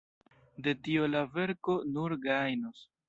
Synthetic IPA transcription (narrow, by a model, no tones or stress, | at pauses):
de̞tio̞lave̞ɾko̞nuɾɡajnos